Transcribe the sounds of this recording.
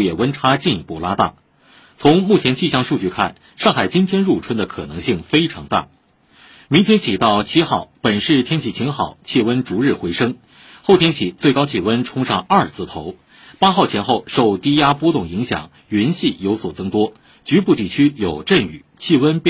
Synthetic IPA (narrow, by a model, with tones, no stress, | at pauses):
jɛ˨˩wə˥nʈ͡ʂʰa˥t͡ɕi˥˧ni˥˧pu˥˩la˥t̪a̰˥˩ | t͡sʰʊ˧˥ŋmu˥˩t͡ɕʰjɛ˧˥nt͡ɕi˥˧ɕjɑ˥˧ŋʂu˥˧t͡ɕy˥˧kʰa̰˥˩n | ʂɑ˥˩ŋxa˨˩ɪt͡ɕi˥nt̪ʰjɛ˥nɻu˥˩ʈ͡ʂʰwə˥nd̪ə˨kʰɤ̰˨˩nɤ˧˥ŋɕi˥˩ŋfe˥ɪʈ͡ʂʰɑ˧˥ŋt̪a̰˥˩ | mi˧˥ŋt̪ʰjɛ˥nt͡ɕʰi˨˩t̪ɑ˥˩ʊt͡ɕʰi˥xɑ˥˩ʊpə˨˩nʂɻ̩˥˩t̪ʰjɛ˥nt͡ɕʰi˧˥˩t͡ɕʰi˧˥ŋxɑ˨˩˦ʊt͡ɕʰi˥˩wə˥nʈ͡ʂu˧˥ɻɻ̩˥˩xwe˧˥ɪʂɤ˥ŋ | xo˥˩ʊt̪ʰjɛ˥nt͡ɕʰi˨˩˦t͡swe˥˩ɪkɑ˥ʊt͡ɕʰi˥˩wə˥nʈ͡ʂʰʊ˥ŋʂɑ˥˧ŋɐ˞˥˧˩t͡sʰɹ̩˥˩t̪ʰo˧˥ʊ | pa˥xɑ˥˩ʊt͡ɕʰɛ˧˥nxo˥˧ʊʂo˥˧ʊt̪i˥ja˥pwɔ˥t̪ʊ˥˩ŋi˧˥ŋɕjɑ̰˨˩˦ŋ | ɥɛ˧˥nɕi˥˩jo˧˥ʊswɔ˨˩t͡sɤ˥˧ŋt̪wɔ˥ | t͡ɕy˧˥pu˥˧t̪i˥˩t͡ɕʰy˥jo˨˩ʊʈ͡ʂə˥˩ny̰˨˩˦t͡ɕʰi˥˩wə˥np